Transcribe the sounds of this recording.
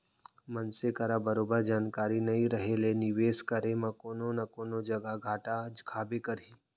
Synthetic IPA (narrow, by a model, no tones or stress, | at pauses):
mənsekɐɾabəɾoːbəɾd͡ʒaːnkaːɾinɐĩɾəɦelenɪʋeːskɐɾemãkoːnonakoːnod͡ʒɐɡaɡʱaːʈad͡ʒkʰaːbekɐɾiː